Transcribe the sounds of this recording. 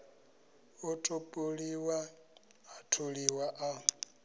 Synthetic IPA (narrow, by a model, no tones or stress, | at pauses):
ʊtʼupʼuliwaː | tʰuliwaʔa